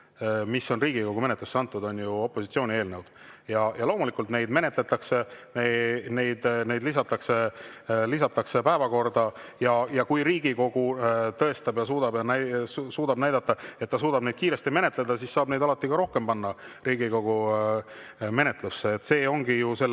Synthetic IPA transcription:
misːo̞nriːɡiko̞ɡume̞net̪lusːeɑnt̪ːˑud̪o̞njuo̞pːˑo̞sit̪sio̞ːnʲie̞ːlnəwd̪̥jɑjɑlo̞ːmulikːˑult̪ne̞jd̪me̞ne̞t̪ˑle̞t̪ːˑɑkse̞nene̞jd̪̥ne̞jd̪lis̬ɑt̪ːˑɑkse̞lisɑt̪ːˑɑkse̞pæevɑko̞rd̪̥ɑjɑjɑkujɾiːɡiko̞ɡ̥ut̪ɤ̞e̞st̪ɑbjɑsuːd̪ɑbjɑnæsuːd̪ɑbnæjd̪ɑt̪ˑːɑe̞t̪̚ːɑsuːd̪̥ɑbne̞jd̪̥̚kiːɾe̞st̪ime̞ne̞t̪ˑle̞d̪ɑsisːɑːbne̞jd̪ɑlɑt̪ˑːikɑɾo̞hke̞mpɑnːɑriːɡiko̞ɡu | me̞ne̞t̪lusːeːt̪ːse̞ːo̞ŋɡijuse̞

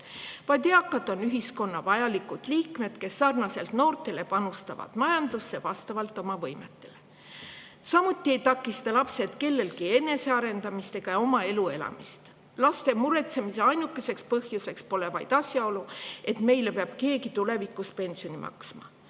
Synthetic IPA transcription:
vɑjd̪eɑkːˑɑt̪ːˑonyɦisko̞nːɑvɑjɑlikːud̪̥liːkme̞d̪̥ke̞sːɑrnɑse̞lt̪no̞ːrt̪ˑe̞le̞pɑnust̪ɑvɑ̰t̪mɑjɑnd̪usːevɑst̪ɑvɑlt̪ːˑo̞mɑvɤjme̞t̪ːˑe̞̥le̞ | sɑmut̪ˑːie̞jt̪ɑkːˑist̪ɑlɑpse̞t̪ke̞lːe̞lkie̞nːe̞se̞ɑɾe̞nd̪ɑmist̪e̞ɡ̥ɑo̞mɑe̞lue̞lɑ̰mist̪ | lɑst̪e̞muɾe̞t̪se̞mise̞ɑjnukːese̞kspɤhjuse̞kspo̞le̞vɑjd̪̥ɑsʲjɑo̞lue̞t̪me̞jlepeɑb̥ke̞ːɡit̪ule̞vikːˑuspe̞nʲsio̞nimʔɑ̰ksmɑ̰

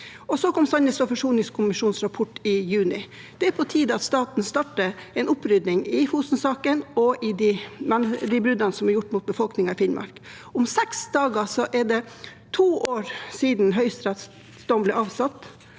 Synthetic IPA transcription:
ɔsɔkʰɔmsɑnəsfɔfɔʂuːnɪŋskʰʊmɪʂuːnsɾɑpʰɔʈːɪjʉːnɪ | d̪̥ɛæɾpʰɔt̪ʰiːd̪əɑt̪st̪ɑːt̪n̩st̪ɑʈəɛnʊpːɾʏd̪nɪŋɪfuːst̪n̩sɑːkənɔʔɪd̪ɪmɛnd̪ɪbɾʉd̪ənəsɔmæɾjʊʈːmʊt̪̚bəfɔlknɪŋɑɪfɪnmʔɑ̰ɾk | ʊmsɛksd̪ɑːɡɑsɔʔɛɖɛ | t̪ʰuːʔoːɾsiːd̪nɦœʏst̪ɾɛt̪s | d̪ɔmblɛɑːʋsɑt̪ː

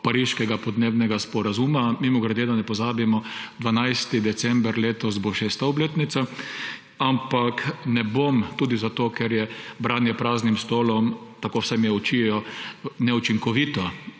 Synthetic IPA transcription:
paɾiʃkɛɡapɔd̪neːbnɛɡaspɔɾazumamimɔɡɾɛd̪ed̪anɛpɔzaːbimɔd̪ʋanajst̪id̪ɛt̪sɛmbɾleːt̪ɔsboʃeːst̪aɔbleːt̪nit̪sa | ampaknɛbomt̪uːd̪izat̪oːkɛɾjɛbɾaːnjɛpɾaːznimst̪oːlɔmt̪akowsɛmjɛɔt͡ʃiɛjɔnɛut͡ʃiŋkɔʋit̪ɔ

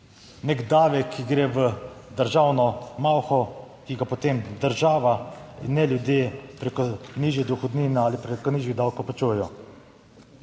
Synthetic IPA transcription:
nɛɡd̪aːʋɛkʰːiɡɾeːʋəd̪əɾʒaːwnɔmawxɔ | kiɡapɔt̪eːmd̪əɾʒaːʋainːɛljud̪jeːpɾekɔniʒjɛd̪uxɔd̪niːnɛaːlipɾɛkɔniːʒʋiɣd̪awkowpɔt͡ʃujɛjɔ

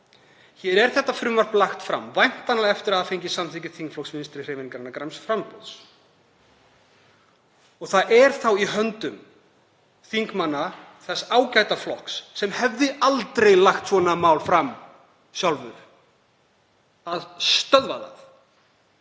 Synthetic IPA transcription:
çɛɾɛɾ̥θɛht̪ːafɾʏːmvaɾ̥plaxt̪fɾa̰mvajn̥t̪anaɛft̪ɪɾaðafejɲcɪsamθʰicɪ̥θiŋkflɔksmɪnst̪ɾɪr̥evɪniŋkaɾɪnːakɾajmsfɾampɔðs | ɔɣθaðɛɾ̥θawiɦœnt̪ʏm | θiŋkmanːaθɛsːaːwcajt̪aflɔhksːɛmhɛvðɪalt̪ɾejlaxt̪svɔnamawlfɾam | sjawlvʏɾ̥ | aðst̪œðva̰ða̰θ

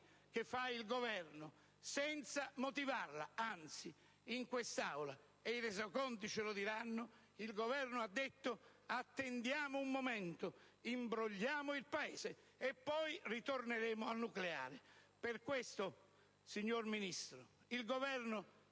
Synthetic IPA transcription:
k̟ɪfːailɡovɛrnʊ | sɛnt̪samot̪ivarla̰ant̪si | iŋkwest̪awla | eiɾɛzakɔnt̪it͡ʃɪlod̪iɾanːʊ | ilɡovɛrnʊad̪ːet̪ːʊat̪ːend̪jaːmʊumːomɛnt̪ʊ | imbɾoʎːaːmʊilpaeːze | epːɔjrit̪orneɾeːmʊanːuklea̰ːɾɪperkwest̪ʊ | siɲːorminist̪ɾʊ | ilɡovɛrnʊ

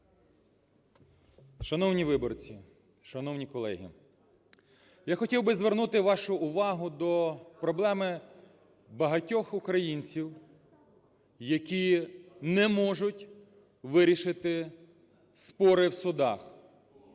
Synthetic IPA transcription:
ʃɐnɔwnʲiʋɪbɔrt͡sʲi | ʃɐnɔwnʲikɔlˠɛ̰ɦʲḭ | jaxɔtʲiwbɪzʋernut̪ɪʋɑʃʊʊʋɑɦʊd̪ɔpɾɔblˠɛmɪ | bɐɦɐtʲɔxʊkɾɐjinʲt͡sʲiw | jɐkʲinɛmɔʒʊtʲ | ʋɪɾʲiʃɪt̪ɪ | spɔɾɪwsʊd̪ɑx

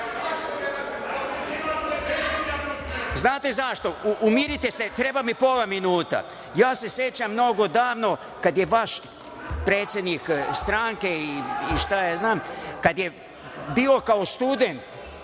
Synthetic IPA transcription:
znaːt̪e̞zaʃt̪o̞ʔumiɾit̪eset̪ɾe̞bamipolˠaminuːt̪a̰ | jaːse̞sje̞t͡ɕamːno̞ɡo̞d̪aːʋno̞ | kad̪jeʋaʃ | pɾeːt̪sʲje̞d̪nikst̪ɾaŋkeiiʃt̪ajeznaːmkad̪je | biːo̞kaost̪ud̪ent̪

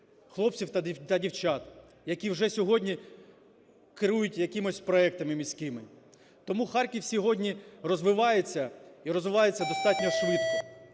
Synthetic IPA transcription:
xlˠɔp̚t͡sʲiwt̪ɐd̪t̪ɐdʲiwt͡ʃɑt̪ | jɐkʲiwʒɛsʲɔɦɔdʲnʲi | kɪɾujʊtʲjɐkʲimɔsʲpɾɔɛk̚t̪ɐmɪmʲisʲkɪmɪ | t̪ɔmuxɑrkʲiwsʲiɦɔdʲnʲirɔzʋɪʋɑjet͡sʲːɐiɾɔzʋɪʋɑjet͡sʲːɐd̪ɔst̪ɑtʲnʲɔʃʋɪt̪̚kɔ

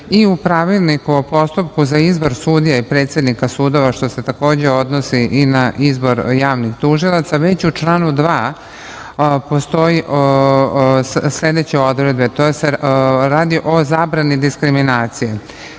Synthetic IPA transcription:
iupɾaʋilˠnikuopo̞st̪upkuzaizbo̞ɾsud̪ijaipɾet̪sje̞d̪nikasuːd̪o̞ʋaʃt̪o̞set̪ako̞ːd͡ʑe̞o̞d̪nosiʔinaizbo̞ɾjaːʋnixt̪uʒilˠat̪saʋe̞t͡ɕut͡ʃlˠaːnud̪ʋaː | po̞st̪o̞jiʔ | sʎʲed̪et͡ɕe̞o̞d̪ɾe̞d̪̚bet̪oseɾaːd̪iʔo̞zaːbɾanid̪iskɾiminaːt̪sije

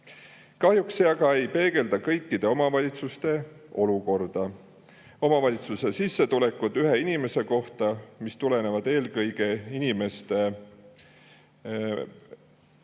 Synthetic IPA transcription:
kɑhjukseɑɡɑe̞jpe̞ːɡ̥e̞ld̪ɑkɤ̞jkˑːid̪̥e̞o̞mɑvɑlʲit̪sust̪e̞o̞luko̞rd̪̥ɑ | o̞mɑvɑlʲit̪suse̞sisːe̞t̪ulekːˑud̪yɦeinime̞se̞ko̞ht̪ɑmist̪ule̞ne̞vɑd̪̥e̞ːlkɤjɡ̥e̞inime̞st̪e

